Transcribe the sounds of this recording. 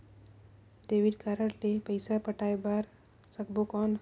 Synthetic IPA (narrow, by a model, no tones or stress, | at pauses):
d̪eːʋiɖkaɾəɽlepəɪsapəʈaːebaɾ | sək̚bokɔːn